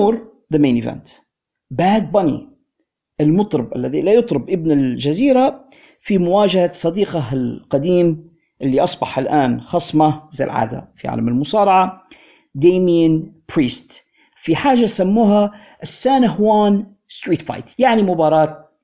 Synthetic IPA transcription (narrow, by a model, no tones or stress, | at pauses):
uːɾ | ðameːnɪvɛ̰nt̪ | baːd̪̚bɑnḭ | ʔɪlmʊt̪ˤɾɑbʔa̰lːaðilajʊt̪ˤɾɪbʔɪbnɪlʒaziːɾa | fimʊwaːd͡ʒahasˤɑd̪iːqɑlqad̪iːm | ʔɪlːiʔɑsˤbɑħɪlʔaːnxɑsˤmaza̰lʕa̰ːd̪a̰fiʕa̰ːlamɪlmʊsɑːɾˤɑʕa | d̪eːmianpɾiːst̪ | fiħaːʒasamːuːɦa | ʔɪsːaːnaɦwaːn | st̪ɾiːt̪fa̰jt̪jaʕnimʊbɑːɾˤɑːt̪̚